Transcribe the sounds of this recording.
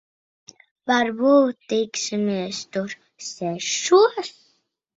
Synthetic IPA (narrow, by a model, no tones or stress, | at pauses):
vaɾbuːt̪ːiksʲimiɛst̪uɾ | sɛʃuɔs